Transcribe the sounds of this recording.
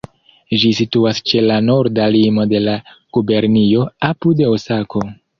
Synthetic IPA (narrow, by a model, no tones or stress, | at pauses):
ʒisituast͡ʃe̞lano̞ɾdalimo̞de̞lakube̞ɾnio̞apude̞osakʰo̞